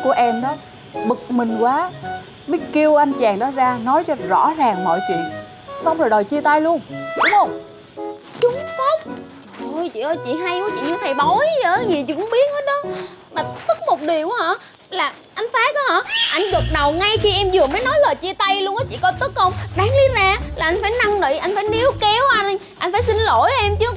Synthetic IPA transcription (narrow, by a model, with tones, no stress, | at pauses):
ku˧˩əʔɛ˧mɗɔ˨˦ | ɓɨ˨˩k̚mï˨˩ŋ̟kwaː˨˦ | mə˨˦jki˧əwʔa˧jnt͡ɕaː˨˩ŋɗɔ˨˦zaː˧nɔ˨˦jt͡ɕɔ˧zɔ̰˧˥zaː˨˩ŋmɔ̰˧˨jt͡ɕwḭ˧˨ən | sa˧wŋ͡mzo˨˩jɗo˨˩jt͡ɕi˧ət̪a˧jlu˧əŋɗʊ˨˦ŋ͡mhə˧wŋ͡m | t͡ɕʊ˨˦ŋ͡mso˦˥t̚ | o˧˩jt͡ɕḭ˧˨ʔə˧˦t͡ɕḭ˧˨ɦa˧jkɔ˨˦t͡ɕḭ˧˨ɲɨ˧t̪ʰa˨˩jɓɔ˨˦jzəː˧˦ɲi˨˩t͡ɕḭ˧˨kʊ˧˦ŋ͡mɓi˦˥ət̚ʔəː˨˦ɗɨ˨˦˥maː˨˩˦t̪ɨ˦˥k̚mo˨˩t̚ɗi˨˩əwhɔ̰˧˩˥ | laː˨˩ | ʔa˧jŋ̟faː˨˦jkɔ˨˦hɔ̰˧˥ʔa˧jŋ̟ɣə˨˩t̚ɗə˨˩wŋa˧jxi˧ʔɛ˧mzɨ˨˩əməː˨˦jnɔ˨˦jlə˨˩jt͡ɕi˧ət̪a˧jlu˧ənʔɔ˨˦t͡ɕḭ˧˨kɔ˨˦t̪ə˦˥k̚ə˧wŋ͡mɗaː˨˦ŋli˨˦zaː˧laː˨˩ʔa˧jŋ̟faː˧˩jna˧mɗə̰˧˨˩jʔa˧jŋ̟faː˧˩jni˨˦əwkɛ˨˦wʔa˧jn˧ʔa˧jŋ̟faː˧˨˦jsi˧nlo̰˧˩˨jʔɛ˧mt͡ɕɨ˨˦ə